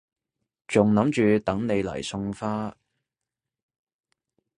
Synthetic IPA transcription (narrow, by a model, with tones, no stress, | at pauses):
t͡sʊ˨ŋnɐ˨˥mt͡ʃyː˨˧t̪ɐ˨˥ŋne˨˧jlɐ̰˨˩jsʊ˧ŋfaː˥